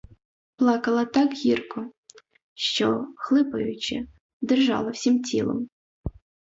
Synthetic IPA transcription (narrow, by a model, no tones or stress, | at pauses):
plˠɑkɐlˠɐt̪ɑkɣʲirkɔ | ʃt͡ʃɔxlˠɪpɐjʊt͡ʃɪ | d̪erʒɑ̰lˠɐwsʲimt͡sʲilˠɔ̰m